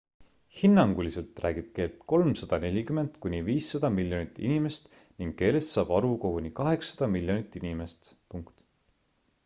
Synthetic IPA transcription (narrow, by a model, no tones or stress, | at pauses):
hinːɑŋɡ̥ulise̞lt̪ˑræ̰ːɡ̥ib̥̚ke̞ːlt̪ko̞lmsɑd̪̥ɑne̞lʲikyme̞nd̪̥kunʲiviːsːɑd̪̥ɑmilʲjo̞nit̪ːˑḭnime̞st̪ | niŋɡ̥kːe̞ːle̞st̪sɑːb̥ɑɾukoɡunikɑɦe̞ksːɑ̥d̪̥ɑmilʲjo̞nit̪ːˑinime̞st̪puŋkt̪